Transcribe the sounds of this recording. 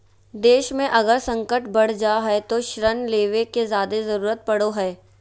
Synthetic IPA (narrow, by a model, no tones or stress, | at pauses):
d̪eːʃmẽʔɐɡəɾsɐ̃ŋkəʈbɐɽ̤d͡ʒaːɦɛt̪oʃɾənleːʋekezjaːd̪ezɐɾuːɾət̪̚pɐɽoɦɛː